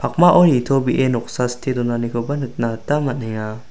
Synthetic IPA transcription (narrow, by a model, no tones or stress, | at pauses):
pʰak̚maʔɔnitʰobiʔenɔk̚sastʰidɔnanikʰɔbanɯt̚natamat̚naŋa